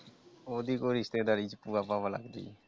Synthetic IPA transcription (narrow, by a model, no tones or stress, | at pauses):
od̪ikoɾist̪ed̪aɾid͡ʒpuapãbəla̰ɡd̪ḭ